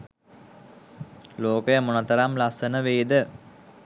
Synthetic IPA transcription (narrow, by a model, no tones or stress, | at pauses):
loːkəjəmunat̪əɾamlasənəʋeːd̪ə